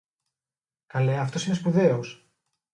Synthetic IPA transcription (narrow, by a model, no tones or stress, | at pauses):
kɐleɐft̪o̞sine̞spuðe̞os